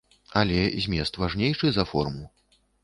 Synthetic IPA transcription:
ɐlʲɛzʲmʲɛst̪vaʐnʲejʂɨzɐfɔ̰rmu

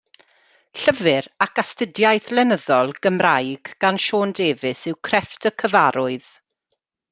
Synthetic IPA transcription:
ɬəvɨɾakʰastədjajθlɛnəðɔlˠɡəmrajɡ̥ɡ̥anʃoːndeːvɪsɪwkʰrɛftʰəkʰəvaɾʊɨð

